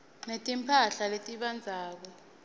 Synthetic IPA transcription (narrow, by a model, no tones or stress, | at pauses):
netʼimpʰaɬaletʼiɓand͡zʱaːk̬ɔ